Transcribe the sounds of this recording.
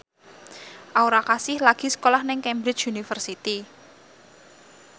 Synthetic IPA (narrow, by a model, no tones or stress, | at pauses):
ʔauɾakasɪhlaɡ̥i̤sə̥kolahnɪŋkɛmbɾɪt͡ʃunifərsit̪i